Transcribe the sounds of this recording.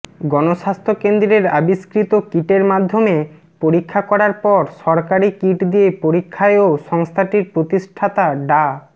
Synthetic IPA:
ɡɔnoʃast̪ʰokend̪ɾeɾabiskɾit̪okiʈeɾmad̪ʱːome | poɾikʰːakɔɾaɾpɔɾʃɔɾkaɾikiʈd̪iepoɾikʰːaeoʃɔŋst̪ʰaʈiɾpɾot̪iʃʈʰat̪aɖa

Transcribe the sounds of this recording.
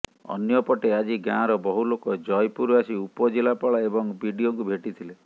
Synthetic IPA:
ɔ̰njɔpɔʈead͡ʒiɡãɾɔbɔɦulokɔd͡ʒɔjpuɾuasiupɔd͡ʒelapɔɭaebɔŋbʱiɖioŋkubʱeʈit̪ʰile

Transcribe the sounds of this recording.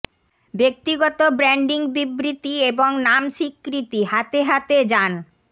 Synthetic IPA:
bek̚t̪iɡɔt̪obɾɛɳɖiŋbibɾit̪ieboŋnamʃikːɾit̪iɦat̪eɦat̪ed͡ʑan

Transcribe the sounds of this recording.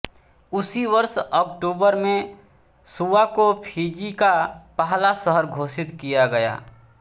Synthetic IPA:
ʊsiʋəɾsɔːkʈuːbəɾmẽ | suːakopʰiːd͡ʒikapaɦlasəɦəɾɡʱoːsɪt̪kijaɡɐja̰ː

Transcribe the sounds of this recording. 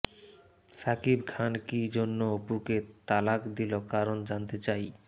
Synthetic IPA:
sakibkʰankid͡ʑonːoopuɾket̪alakd̪ilokaɾond͡ʑant̪et͡ɕaj

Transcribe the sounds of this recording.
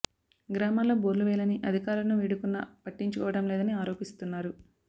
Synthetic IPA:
ɡɾaːmaːloːboːɾluʋɛːjlɐniʔɐd̪ʱikaːɾlɐnuʋiɽukunːɐpɐʈːiɲt͡ʃukɔːʋɐɽɐmleːd̪ɐniaːɾo̞ːpist̪unːaːɾu

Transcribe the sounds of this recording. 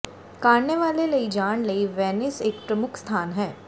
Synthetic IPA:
kaːɽneʋaːleləid͡ʒaːɳ̃ləiʋɛːnɪsɪkpɾəmʊkʰst̪ʰaːnɦɛː

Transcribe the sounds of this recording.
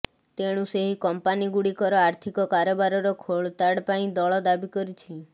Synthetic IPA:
t̪eɽ̃ũseɦikɔmpaniɡuɽikɔɾɔaɾt̪ʰikɔkaɾɔbaɾɔɾɔkʰoɭt̪aɽpaĩd̪ɔɭɔd̪abikɔɾit͡ʃʰi

